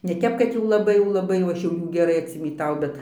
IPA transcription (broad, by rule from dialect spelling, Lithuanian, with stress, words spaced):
nʲɛ ˈtʲɛp kɐt jɛʊ lˠɐˈbɐɪ jɛʊ lˠɐˈbɐɪ jɛʊ ˈɐʃ ˈjuː ɡʲɛˈrɐɪ ɐtʲsʲɪmʲiːˈtɐʊ bʲɛt